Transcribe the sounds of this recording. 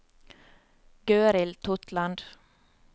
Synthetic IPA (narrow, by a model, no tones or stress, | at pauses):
ɡ̥øːɾɪlt̪ʰɔt̪ʰlɑnd̪